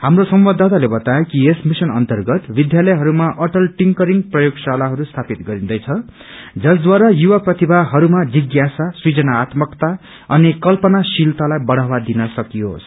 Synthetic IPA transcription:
hamrosʌmbʌd̪ʱat̪alebʌt̪ajekiesmisʌnʌnt̪ʌrɡʌt̪bid̪jalʌjɦʌɾumaʔʌʈʌlʈiŋkʌɾiŋɡprʌjoɡsalaɦʌɾust̪ʰapit̪ɡʌɾĩd̪ʌjt͡sʰʌ | d͡zʌsd̪waɾajuwaprʌt̪ibʱaɦʌɾumad͡ziɡjasasrid͡zʌnaːt̪mʌkt̪a | ʌnikʌlpʌnasilt̪alajbʌɽ̤awad̪inʌsʌkijo̰s

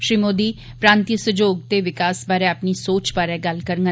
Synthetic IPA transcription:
ʃɾiːmoːd̪iː | pɾãːnt̪isʊd͡ʒoːɡ̚t̪eːʋɪkaːsbaːɾeːəpniːsoːt͡ʃbaːɾeːɡəlkəɾŋɡə

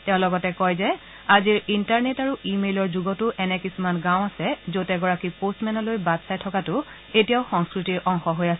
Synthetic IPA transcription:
tɛ̃ʊ̃lɔɡɔtɛkɔjzɛ | aziɹintaɹnetaɹuimelɔɹzuɡɔtʊʔɛnɛkisumanɡãw̃asɛzotɛɡɔɹakipostmɛnɔlojbadsajtʰɔkatʊ | etijaʊxɔŋskɹitiɹʔɔŋxɔɦojasɛ

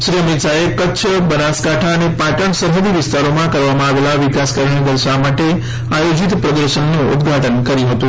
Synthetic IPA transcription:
sɾiəmit̪saekətːt͡ʃʰəbənaskaʈʰaənepaʈəɳ̃səɾɦəd̪iʋist̪aɾomãkəɾʋamãːʋelaʋikaskəɾɳid̪əlsamaʈe | ajod͡ʒit̪pɾəd̪əɾsənːoṵd̪ɡʱaʈənkəɾiɦot̪u

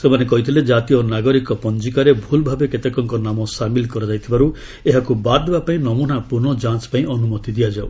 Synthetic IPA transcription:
semanekɔɦit̪ʰiled͡ʒat̪ijɔnaɡɔɾikɔpɔnd͡ʒikaɾebʱulbʱabeket̪ekɔŋkɔnamɔsamilkɔɾɔd͡ʒajt̪ʰibaɾu | eɦakubad̪ebapaĩnɔmunapuɾnɔd͡ʒãt͡ʃpaĩɔnumɔt̪id̪iad͡ʒaw

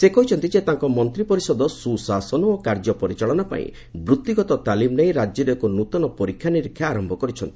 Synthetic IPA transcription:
sekɔɦit͡ʃʰɔnt̪id͡ʒet̪aŋkɔmɔnt̪ɾipɔɾisɔd̪ɔsusasɔnɔokaɾd͡ʒɔpɔɾit͡ʃaɭɔnapa̰ḭ̃ | bɾut̪ːiɡɔt̪ɔt̪alimneĩɾad͡ʒjɔɾekunut̪ɔnɔpɔɾikʰjaniɾikʰːjaːɾɔmbʱɔkɔɾit͡ʃʰɔnt̪ii̥

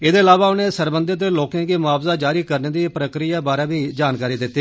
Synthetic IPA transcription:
ɪd̪eːəlaːʋaːʊnẽːsəɾbənd̪ɪt̪d̪eːloːkẽːɡiːmʊaːbzaːd͡ʒaːɾiːkəɾneːd̪iːpɾəkɾijaːbaːɾaːbiːd͡ʒaːnkaːɾiːd̪ɪt̪ːeː

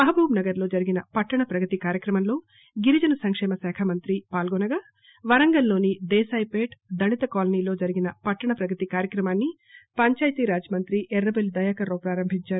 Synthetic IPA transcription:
mɐɦɐbʱuːmnɐɡɐɾlo̞ːd͡ʒɐɾiɡinɐpɐʈːɐɳɐpɾɐɡɐt̪ikaːɾjɐkɾɐmɐmlo̞ː | ɡiɾid͡ʒɐnɐsɐŋkʂɛːmɐsɛːkʰɐmɐnt̪ɾipaːlɡɔnɐɡaː | ʋɐɾɐŋɡɐllo̞ːnid̪ɛːsaːjpeːʈd̪ɐnit̪ɐkaːlɐniːlo̞ːd͡ʒɐɾiɡinɐpɐʈːɐɳɐpɾɐɡɐt̪ikaːɾjɐkɾɐmaːnːi | pɐɲt͡ʃaːjɐt̪iɾaːd͡ʒɐmɐnt̪ɾiʔɛɾːɐbeld̪ɐjaːkɐɾoːpɾaːɾɐmbʱiɲt͡ʃaːɾu

